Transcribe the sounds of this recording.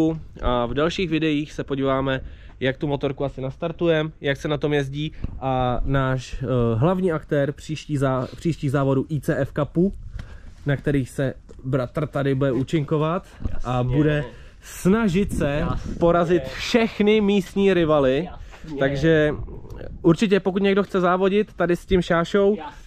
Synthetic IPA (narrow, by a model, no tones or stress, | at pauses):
uʔavdalʃiːxvɪdɛjiːxsɛpo̞ɟiːvaːmɛ | jak̚t̪umo̞t̪o̞ɾkuasɪnast̪aɾt̪ujɛmjaksɛnat̪o̞mjɛzɟiːʔanaːʃɦlavɲiːʔakt̪ɛːɾpr̝̥iːʃciːzapr̥iːʃciːɣzaːvo̞duːʔiːt͡sɛːʔɛfkapu | nakt̪ɛɾiːxsɛ | bɾat̪r̩t̪adɪbudɛʔuːt͡ʃɪŋko̞vat̪ʔabudɛ | snaʒɪt̪sɛpo̞ɾazɪt̪fʃɛxnɪmiːst̪ɲiːɾɪvalɪ | t̪aɡʒɛ | ʔuɾt͡ʃɪc̬ɛpo̞kut̪ɲɛɡdoxt͡sɛzaːvo̞ɟɪt̪ːadɪscɪmʃaːʃo̞w